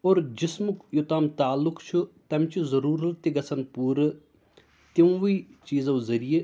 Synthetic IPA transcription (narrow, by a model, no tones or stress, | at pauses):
oːɾd͡ʒismukjut̪aːmt̪aːlːukt͡ʃʰut̪ɐmt͡ʃʰizɐɾuːɾɐlt̪iɡɐsʰɐnpuːɾ | t̪iwʋit͡ʃiːzɐwzɐɾije